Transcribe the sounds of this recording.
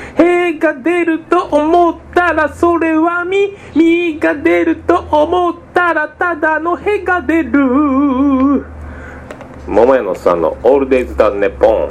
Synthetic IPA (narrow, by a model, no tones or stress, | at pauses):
heɡad̪e̞ɾɯ̟t̪o̞ʔomo̞t̪ːaɾaso̞ɾe̞βamʲi | mʲiɡad̪e̞ɾɯ̟t̪o̞ʔomo̞t̪ːaɾat̪ad̪ano̞he̞ɡad̪e̞ɾɯ̟ | momojanosã̰nːo̰oɾɯd̪ezɨt̪anːepõ̰ŋ